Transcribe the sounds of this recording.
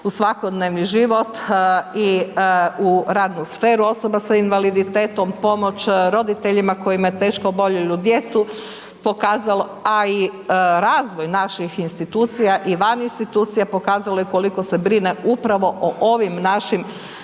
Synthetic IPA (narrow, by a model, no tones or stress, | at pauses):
usʋako̞d̪neʋniʒiʋo̞t̪i | uɾaːd̪nusfeːɾuo̞so̞basainʋalid̪it̪eːt̪o̞mpo̞mo̞t͡ɕɾo̞d̪it̪e̞ʎimako̞jimajet̪e̞ːʃkoobo̞ʎeʎud̪je̞t̪su | po̞kaːzaloaiɾaːzʋo̞jnaʃixinst̪it̪uːt̪sijaʔiʋaninst̪it̪uːt̪sijapo̞kaːzalojeko̞liko̞se̞bɾineupɾaʋo̞ʔoʔoʋimnaʃim